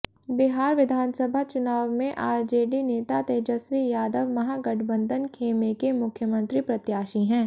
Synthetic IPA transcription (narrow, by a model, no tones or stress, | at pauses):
bɪɦaːɾʋɪd̪ʱaːnsəbʱat͡ʃʊnaːʋmẽʔaːɾd͡ʒeːɖineːt̪at̪eːd͡ʒəsʋijaːd̪əʋmɐɦaɡɐʈʰbə̃nd̪ʱənkʰeːmekemʊkʰjəmə̃nt̪ɾipɾɐt̪jaːʃiɦɛ̃ː